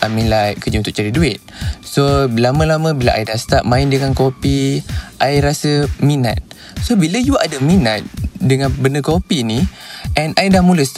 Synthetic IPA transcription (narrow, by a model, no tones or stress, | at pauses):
ʔamĩlajkəd͡ʒəunt̪ʊk̚t͡ʃaɾiduɪt̪̚sobəlamə̃lamə̃bilaʔa̰jdahsə̥t̪ap̚mãɪndəŋankopiʔajɾasəmina̰t̪̚ | sobilajuadaminat̪̚dəŋãnbəndəkopiniʔɛnajdahmuləst̪